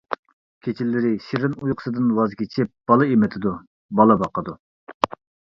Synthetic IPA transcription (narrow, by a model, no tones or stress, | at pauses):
kʲʰet͡ʃʰilːɪɾɪʃiɾɪnujqʰə̥sɨd̪ɨnwɑzkʲet͡ʃʰɪp̚b̥ɑlˠɨemɪt̪ʰɪd̪u | bɑlˠɨbɑqəd̪u